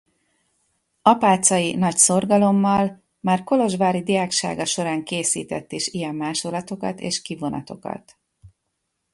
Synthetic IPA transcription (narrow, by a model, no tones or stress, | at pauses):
ɒpaːt̪sɒjinɒcso̞rɡɒlo̞mːɒl | maːrko̞lo̞ʒbaːɾid̪ijaːkʃa̰ːɡɒʃo̞ɾaːŋkeːsḭːt̪ɛ̰t̪ːiʃijɛmːaːʃolːɒt̪o̞kɒ̰t̪ḛːʃkivo̞nɒ̰t̪o̞kɒ̰t̪